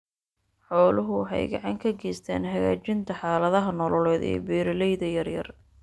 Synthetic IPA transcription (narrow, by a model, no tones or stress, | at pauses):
ħɔːlʊɦʊħɛ̰jɡɑ̰ʕɑŋkʰɐɡɛːst̪ʰɛ̰ːnɦɐɣa̰ːt͡ʃɪnt̪ʰɐħɑːlɐðɐɦɐnɔlɔlɛːðɛ̰ːbɛːɾɪlɛjðɐjɐrjɐ̰r